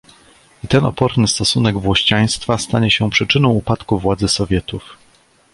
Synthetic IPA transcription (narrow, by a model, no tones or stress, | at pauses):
it̪ɛnɔ̰pɔɾnɘst̪ɔsunɛɡvwɔɕt͡ɕaj̃st̪fast̪aɲɛɕɛpʂɘt͡ʂɘnɔ̃w̃upat̪kuvwad̪zɘsɔvʲjɛt̪uf